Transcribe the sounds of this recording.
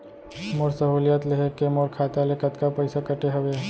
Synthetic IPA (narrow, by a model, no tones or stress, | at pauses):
moːɾsəɦuːljaːt̪leɦekemoːɾkʰaːt̪alekɐt̪kapəɪsakəʈeɦɐʋe